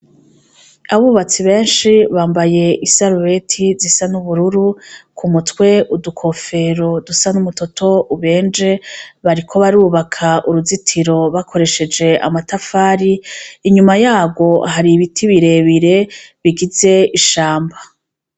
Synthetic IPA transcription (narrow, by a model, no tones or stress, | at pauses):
aβuːβat͡siβe̞ːnʃiβaːmbaje̞ʔisaɾuwe̞tʰizisanuβuɾuɾukʰumutwe̞ʔudukʰo̞fe̞ɾo̞dusanumuto̞tʰo̞uβe̞ːnd͡ʒe̞βaɾikʰo̞βaɾuːβakʰaʔuɾuzitʰiɾo̞βakʰo̞ɾe̞ʃe̞d͡ʒe̞a̰matafaːɾiiɲumajaːbɡo̞haɾiβitʰiβiɾe̞βiɾe̞βiɡize̞iʃaːmba